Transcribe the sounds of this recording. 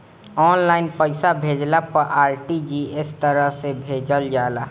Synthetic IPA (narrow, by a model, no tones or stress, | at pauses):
ɔːnlaːɪnpəɪsabʱeːd͡ʒlapəɾʔaːɾʈid͡ʒiːɪst̪əɾəɦsebʱeːd͡ʒəld͡ʒaːla